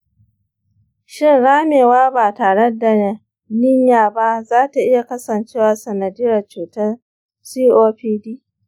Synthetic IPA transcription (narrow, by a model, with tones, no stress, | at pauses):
ʃɪ˦nɽaː˦meː˨waː˦baː˨taː˨ɽe˦da˨ | nɪ˦ɲjaː˨ba˦zaː˦ta˨ʔɪ˦ja˨kɐ˦sɐ˨nt͡ʃeː˦waː˨sɐ˨na˨dɪ˦jɐ˨rt͡ʃuː˨tɐ˦ | siː˦ʔoː˦ɸiː˦diː˦